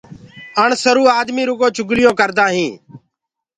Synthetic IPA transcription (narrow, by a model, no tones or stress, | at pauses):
əɳsəɾuːaːd̪miːɾʊkõːt͡ʃʊɡlɪjõːkəɾd̪ãːɦĩː